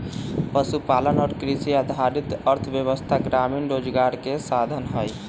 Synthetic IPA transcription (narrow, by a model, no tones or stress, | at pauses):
pəsupalənɔːɾkɾisiad̪ʱaɾit̪əɾt̪ʰʋjəʋəst̪ʰaɡɾaminɾod͡ʒɡaɾkesad̪ʱənɦəj